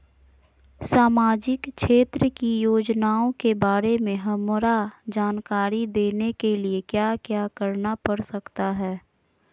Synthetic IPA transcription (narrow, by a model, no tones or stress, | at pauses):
saːmaːd͡ʒɪkʃʰeːt̪ɾəkijoːd͡ʒnaːõkebaːɾemẽɦɐmɾad͡ʒaːnkaːɾid̪eːnekeliekjaːkjaːkəɾnapɐɽsɐkt̪aɦɛː